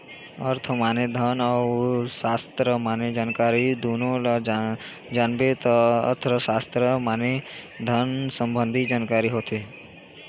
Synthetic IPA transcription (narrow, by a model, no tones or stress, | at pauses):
əɾt̪ʰəmaːned̪ʱənɔwsaːst̪ɾəmaːned͡ʒaːnkaːɾid̪oːnõla | d͡ʒaːnbet̪ɔə̰t̪ʰɾəsaːst̪ɾəmaːne | d̪ʱənsə̃mbə̃nd̪ʱid͡ʒaːnkaːɾiɦoːt̪e